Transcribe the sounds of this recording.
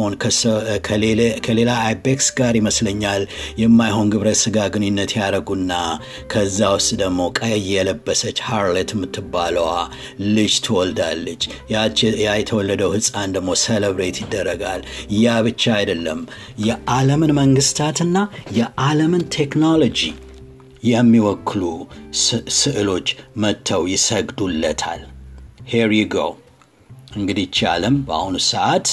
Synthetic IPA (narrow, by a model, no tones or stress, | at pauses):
onʰkʰkʰəle̞laajbeksɡaɾiməsləɲːaljɛmːajɦo̞nɡɨβɾəsɨɡaɡɨninːət̪jaɾəɡunːa | kʰəzːawʊst̪ʼd̪əɡmo̞kʼəjjɛləbːəsət͡ʃːhaɾlet̪mːɨt̪ʰːɨbːaləwa̰ | lɨd͡ʒt̪ʰɨwɔld̪alːət͡ʃːajajɛt̪ʰəwɔlːəd̪əwhɨsʼand̪əɡmo̞seləβɾet̪jɪd̪ːərːəɡaljaβɨt͡ʃːaajd̪əlːəm | jɛʔaləmɨnməŋɡɨst̪ʰat̪ɨnːajɛʔaləmɨnt̪ʰeknolod͡ʒi | jɛmːiwɔkʰːɨlu | sɨʔɨlo̞t͡ʃːmət̪ʰːəwjɪsəɡd̪ulːət̪ʰa̰lheɾiɡo̰ | ʔɨŋɡɨd̪it͡ʃːa̰ləmba̰hunsəʔat̪